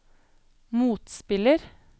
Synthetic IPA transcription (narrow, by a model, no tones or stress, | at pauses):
muːt̪spɪləɾ